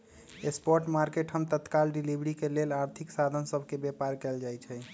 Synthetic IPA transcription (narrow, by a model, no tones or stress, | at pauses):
espɔɾʈmaɾkeʈɦəmt̪ət̪kalɖilibɾikelelaɾt̪ʰiksad̪ʱənsəbʱkebjepaɾkɛld͡ʒajt͡ʃʰɛ